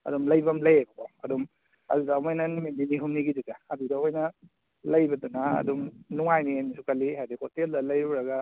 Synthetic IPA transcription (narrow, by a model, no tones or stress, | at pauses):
ɐ̰dumlɐjbɐmlɐjabɐkoɐ̰dum | ɐ̰dudaːmojnɐnimininiɦumniɡiditaːdidahojnɐ | lɐjbɐdunaɐ̰dumnuŋajniamisukaliɦajdihoteldɐlɐjɾuɾɐɡa